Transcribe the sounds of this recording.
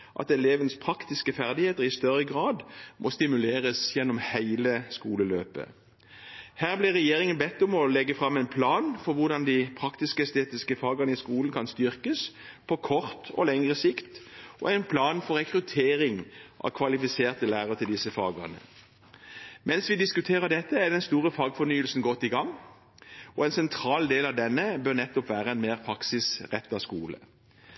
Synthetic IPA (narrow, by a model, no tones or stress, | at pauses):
ʔɑ̰t̪ɛleːʋənspʰʁɑkt̪ɪskəfæʁd̪ɪheːt̪əʁɪst̪œʁəɡʁɑːd̪mʔɔst̪ɪmʉleːʁəsjɛnːɔmhæɪləskuːləløːpə̰ | hæːʁblɪʁɛjeːʁɪŋənbɛt̪ːɔmɔlɛɡəfʁɑmːɛɪnpʰlɑːnfɔʁʋʊʁd̪ɑnd̪ɪpʰʁɑkt̪ɪskəɛst̪eːt̪ɪskəfɑːɡəʁnəɪskuːlən̩kʰɑnst̪ʏʁkəs | pʰɔkʰɔʁt̪ɔ̰lɛŋʁəsɪkt̪ʔɔ̰ɛɪnpʰlɑːnfɔɾʁɛkʁʉt̪ʰeːɾɪŋʔɑ̰ʋkʰʋɑlɪfɪseːʁt̪əlæːʁəət̪ʰɪld̪ɪsəfɑ̰ːɡə̰nə̰ | mɛnsʋɪd̪ɪskʉt̪ʰeːʁəd̪ɛt̪ːəæd̪ɛnst̪uːʁəfɑːɡfɔnyːəlsn̩ɡɔt̪ːɪɡɑŋː | ɔɛnsɛnt̪ʰɾɑːld̪eːlɑʋd̪ɛnːəbøʁnɛt̪ːɔpʋæːʁəɛnmeːʁpʰʁɑksɪsʁɛt̪ːɑskuːlə̰